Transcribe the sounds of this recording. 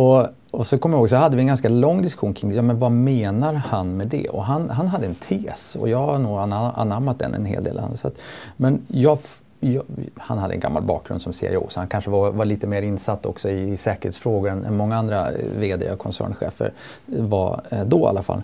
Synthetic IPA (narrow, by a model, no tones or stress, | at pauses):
ɔ | ɔsɔkʰɔmːjahoːɡs̬ɔhad̪ːəvɪɛnɡanskalɔŋːd̪ɪskɵ̥ɧuːnkʰɾɪŋd̪jɑːmɛnvameːnaɾhanmɛd̪ɛ̰ɔ̰ɦanɦanɦad̪ːəɛnt̪ʰeːsɔ̰jɑːɡanuːɡana̰nːaɾmːat̪̚d̪ɛ̰nɛ̰nɦḛːld̪ḛːl̰nsa̰t̪mɛnjɑː | jhanhad̪ːəɛ̰nɡa̰mːa̰lbɑ̰ːk̚ɡɾɵ̰nd̪sɔmsḭa̰ṵːsɔhankʰanʂəvavaɭliːt̪əmeːɾɪnsat̪ːɔ̰ksɔɪːsɛːkəɾheːt̪sfɾoːɡʊɾɛnʔɛ̰nmɔŋːaand̪ɾa̰veːd̪ɪ̰akʰɔnsæ̰ːɳɧḛːfə̰ɾ | va̰d̪ɔa̰lːafa̰l